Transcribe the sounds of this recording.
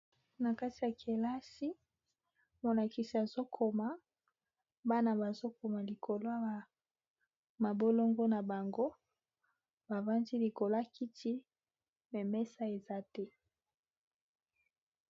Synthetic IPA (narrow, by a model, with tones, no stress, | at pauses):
na˨ka˦ti˨ja˨kʰe˨la˦si˦ | mo˨la˨ki˨si˨a˨zo˦kʰo˨ma˨ | ba˦na˨ba˨zo˦ko˨ma˨li˨kʰo˨lo˦a˦a˨ | ma˨bo˦lo˦ŋɡo˦na˨ba˨ŋɡo˦ | ba˨va˦ndi˦li˨ko˨la˦kʰi˦tʰi˦ | mɛ˨mɛ˦sa˦e˨za˦tɛ˦